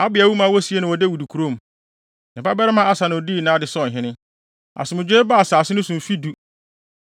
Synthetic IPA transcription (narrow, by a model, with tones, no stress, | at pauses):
a˦bɪ˨a˨wu˦mã˨˦wɔ˦si˦e˦nʊ̃˨wɔ˨de˦wu˨du˨kʰu˨ɾo˦m˨ | nɪ̃˨ba˦bɛ˦ɾɛ˦mã˦a˦sa˨nɪ̃˨ɔ˨di˦˨nã˦dɪ˨sɔ̃˦˨n˨ɦɪ̃˦nɪ̃˦ | a̰˨sɪ˨mʊ̃˨d͡ʑᶣeː˦ba˦˨saː˨sɪ˦nʊ̃˦sʊ̃˨m̩˨fi˦du˦